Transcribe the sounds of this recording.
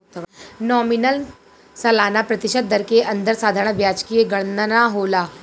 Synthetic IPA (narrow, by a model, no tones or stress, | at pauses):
nɔːminəl | sɐlaːnapɾɐt̪ɪʃət̪̚d̪ɐɾkeʔɐ̃nd̪əɾsaːd̪ʱaɾɳ̃bʱjaːt͡ʃkieɡɐɽ̃nənaɦoːlaː